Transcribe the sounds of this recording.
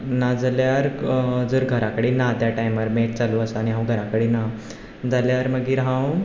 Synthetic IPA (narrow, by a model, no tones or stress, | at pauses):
nad͡zaljaɾd͡zəːɾɡʱəɾakəɽiːnat̪jaʈaimʋəɾmeʈ̚t͡saluəsaɽ̃iɦãw̃ɡʱəɾakəɽiːna | d͡zaljaɾməɡiːɾɦãw